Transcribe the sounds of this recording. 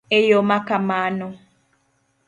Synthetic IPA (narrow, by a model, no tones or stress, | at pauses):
ejomakamaːnʊ